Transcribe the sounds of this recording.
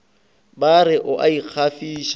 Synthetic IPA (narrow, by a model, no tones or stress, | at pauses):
baɾɪʔʊʔaiq͡χʰafiːʃ